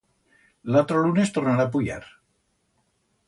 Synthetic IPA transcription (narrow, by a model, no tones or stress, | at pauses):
lat̪ɾolunest̪oɾnaɾapuʎa̰ɾ